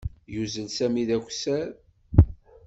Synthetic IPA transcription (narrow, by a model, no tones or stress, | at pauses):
juzənsæmiðækʷsæɾ